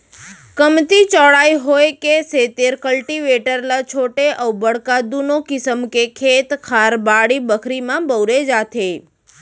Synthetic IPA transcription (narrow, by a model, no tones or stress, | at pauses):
kəmt̪it͡ʃɔɭajɦojkeset̪eɾkəlʈiʋeʈəɾlat͡ʃʰoʈeʔəwbəɽkad̪unokɪsəmkekʰet̪kʰaɾbaɽibəkʰɾimãbəwɾed͡ʒat̪ʰe